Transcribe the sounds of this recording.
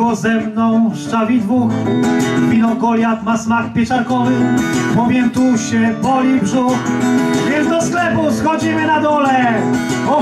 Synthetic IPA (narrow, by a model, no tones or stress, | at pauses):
ɔzɛmnɔ̃w̃fʂt͡ʂavʲid̪vux | mʲinɔkɔlʲjat̪masmakpʲjɛt͡ʂaɾkɔvɘpɔmʲjɛnt̪uɕɛpɔlʲibʐuxjɛzd̪ɔsklɛpusxɔd͡ʑimɘnad̪ɔlɛ | ɔ